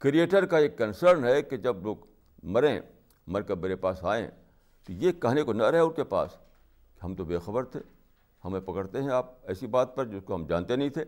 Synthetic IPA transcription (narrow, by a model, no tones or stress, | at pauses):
kɾieːʈəɾkaeːkːɐnsəɾnɦɛked͡ʒɐbloːɡ | mɐɾẽ | mɐɾkemeːɾepaːsaːḛ̃ | t̪ojekːɐɦnekonɐɾɐɦeʊnkepa̰ːs | ke̥ɦɐmt̪obeːxɐbəɾt̪ʰeː | hɐmẽpɐkəɽt̪eɦɛ̃aːp̚ɛːsibaːt̪̚pɐɾd͡ʒɪskoɦɐmd͡ʒã̰ːnt̪enɐɦĩt̪ʰeː